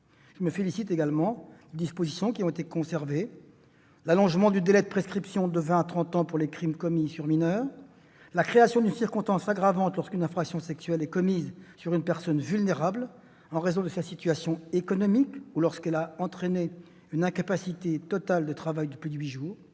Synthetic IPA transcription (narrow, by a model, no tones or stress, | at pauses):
ʒ̥əməfelisit̪eɡalmɑ̃led̪ispozisjɔ̃kʲiɔ̃et̪ekɔ̃sɛʁve | lalɔ̃ʒmɑ̃d̪yd̪elɛd̪əpχeskχipsjɔ̃d̪əvɛ̃at̪χɑ̃t̪ɑ̃puʁlekχimkɔmisyʁminœːʁ | lakχeasjɔ̃d̪ynsiʁkɔ̃st̪ɑ̃saɡʁavɑ̃t̪lɔʁskynɛ̃fχaksjɔ̃sɛksɥɛlɛkɔmizsyʁynpɛʁsɔnvylneʁabl | ɑ̃ʁezɔ̃d̪əsasit̪ɥasjɔ̃ekɔnɔmikulɔʁskɛlaɑ̃t̪χene | ynɛ̃kapasit̪et̪ɔt̪ald̪ət̪χavajd̪əplyd̪ɥiʒuːʁ